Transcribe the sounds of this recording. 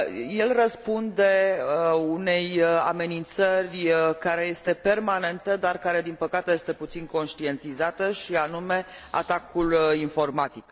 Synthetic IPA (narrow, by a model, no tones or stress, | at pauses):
je̞lrəspund̪e̞ | une̞ja̰me̞nint̪sərʲkaɾe̞je̞st̪e̞pe̞rmane̞nt̪əd̪arkaɾe̞d̪inpəkat̪eje̞st̪e̞put̪sinko̞nʃt̪ie̞nt̪izat̪əʃianume̞a̰t̪akulinfo̞rmat̪ik